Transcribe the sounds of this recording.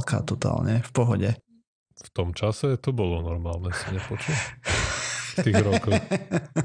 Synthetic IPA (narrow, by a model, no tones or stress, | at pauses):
ka̰ːt̪ɔt̪a̰ːlɲɛfpɔɦɔɟɛ | ft̪ɔmt͡ʃasɛt̪ɔbɔlɔnɔɾmaːlnɛsiɲɛpɔt͡ʃu | t̪iːɾɔkɔx